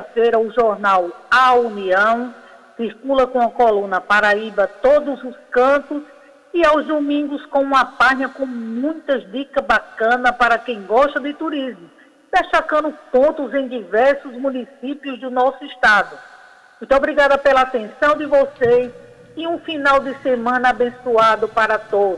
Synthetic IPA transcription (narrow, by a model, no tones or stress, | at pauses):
ɐfejɾɐʊʒɔɾnawauniɐ̃w̃ | siɾkulɐkõɐkɔlũnɐpaɾaibɐt̪od̪ʊzʊskɐ̃nt̪ʊs | iawzd̪omĩŋɡʊskõũmɐpaʒɲɐkõmũj̃t̪ɐzd̪ikɐzbakɐ̃nɐpaɾɐkẽj̃ɡɔʃt̪ɐd̪ɪt̪uɾizmʊ | d̪̥eʃt̪akɐ̃nd̪ʊpõnt̪ʊzẽj̃d̪ivɛɾsʊzmũnisipiʊzd̪ʊnɔsʊiʃt̪ad̪ʊ | mũj̃t̪ɔbɾiɡad̪ɐpelɐat̪ẽsɐ̃w̃d̪ɪvɔses | ɪũfinawd̪ɪsemɐ̃nɐabẽsuad̪ʊpaɾɐt̪od̪ʊ